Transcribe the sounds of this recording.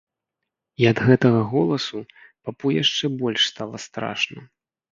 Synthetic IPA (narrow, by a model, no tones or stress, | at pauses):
iɐd̪ɣɛt̪ɐɣɐɣɔlˠɐsu | papujaʂt͡ʂɛbɔlʲʂst̪alˠɐst̪ɾa̰ʂnɐ